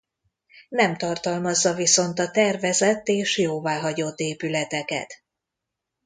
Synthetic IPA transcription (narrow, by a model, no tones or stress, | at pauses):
nɛmt̪ɒrt̪ɒlmɒzːɒviso̞nt̪ɒt̪ɛrvɛzɛt̪ːeːʃjoːvaːɦɒɟo̞t̪ːeːpylɛt̪ɛkɛ̰t̪